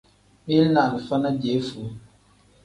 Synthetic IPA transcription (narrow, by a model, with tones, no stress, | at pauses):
mi˦na˨ni˨fa˦na˦de˨˦fu˨˦